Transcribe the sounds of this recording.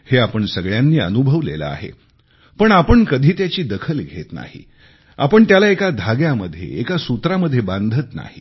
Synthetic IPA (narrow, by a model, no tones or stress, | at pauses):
heapəɳsəɡɭjanːiːə̰nubʱəʋlḛlə̰a̰ɦḛ | pəɳapəɳkəd̪ʱiːt̪jat͡ɕiːd̪əkʰəlɡʱet̪na̰hḭ | a̰pəɳt̪jalaekad̪ʱaɡjaməd̪ʱːjḛekasut̪ɾaməd̪ʱːjebãnd̪ʱət̪na̰ɦi